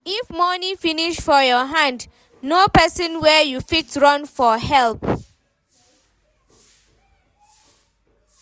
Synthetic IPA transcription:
ifmɔnĩfiniʃfɔjɔɦãnd | nopɛsɔ̃nwɛjufitɹɔ̃nfɔhɛlp

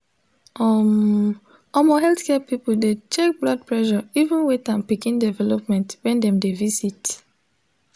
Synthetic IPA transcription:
ɔm | ɔmɔɦɛltkɛpipuldet͡ʃek̚blɔd̚pɹɛʃɔivũnwetãnpikĩndɛvɛlɔp̚mɛ̃ntwɛ̃ndɛ̃mdevisit

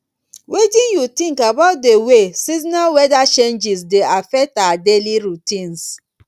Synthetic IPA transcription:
wedĩnjutĩŋkabaʊt̚dewesizinawɛdat͡ʃẽnd͡ʒisdeafɛk̚taadeliɹutĩns

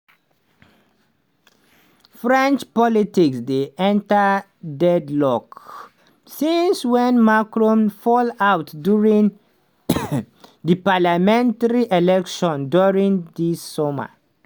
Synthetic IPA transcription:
fɹɛ̃nt͡ʃpɔlitiksdeʔɛ̃nta | dɛdlɔk | sĩnswɛ̃nmakɹɔ̃mfɔlawtduɹĩŋ | dəpalamɛ̃ntaɹiʔelɛkʃɔ̃nduɹĩŋdisːɔma̰

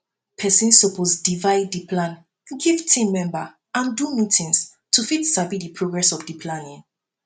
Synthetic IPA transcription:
pʰɛsĩnsopʰosdivaɪdipʰlãn | ɡivtʰĩmːɛ̃mba | ãndumitʰĩŋs | tʰufitstabidipʰɹoɡɹɛsɔfdipʰlãnĩn

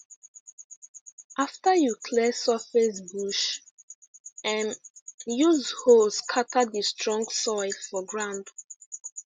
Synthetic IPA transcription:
aftəjukʰlɛsɔfɛsbuʃ | ɛ̃njuzhoskʰatʰadðistʰɹɔ̃ŋɡsɔɪfɔɡɹãnd

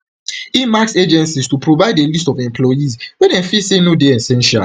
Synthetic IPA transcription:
imaksed͡ʒɛ̃nsistupɹovaɪdelistɔvɛ̃mpʰlɔjizwɛ̃nɛ̃nfisenodeɛ̃sɛ̃nʃia̰l

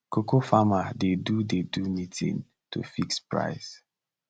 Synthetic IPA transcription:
kokofamadedudedumitʰḭ̃n | tṵfikspɹa̰ɪs

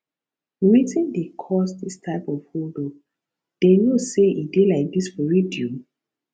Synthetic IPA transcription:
witĩndekʰɔsdistʰaɪpɔvholdo | d̥enuseidelaɪk̚disfɔɹidio

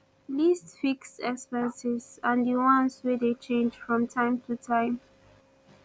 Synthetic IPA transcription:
listfiksɛkspɛ̃nsizãndiwɔ̃nswedet͡ʃẽnd͡ʒfɹɔ̃mtʰãɪ̃mtʰutʰãɪ̃m

